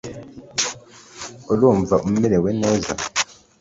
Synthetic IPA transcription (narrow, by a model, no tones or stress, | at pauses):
oluːɱvaʔumumeleweneːza̰